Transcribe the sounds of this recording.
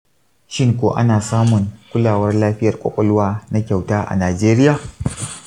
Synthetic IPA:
ʃɪ˦ŋkʷoː˨ʔa̰˦naː˨saː˦mʊ˨ŋkʷʊ˦laː˨wɐ˦rlaː˦ɸɪ˦jɐ˨rkʷʼɔ̰˦kʷʼɔ˦lwaː˦na˦kʲa˨wtaː˦ʔa̰˨naː˨d͡ʒeː˦ɾɪ˦jaː˨

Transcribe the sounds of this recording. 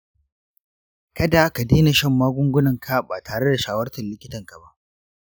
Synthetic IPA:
kɐ˦da˨ka˨deː˦na˨ʃɐ˦˨mːaː˦ɡʷʊ˦ŋɡʷʊ˦nɐ˨ŋkʰa˦baː˨tʰaː˨ɽe˦da˨ʃaː˦wɐ˦rtɐ˨nlɪ˦kʲɪ˦tɐ˨ŋka˨ba˦ʔ

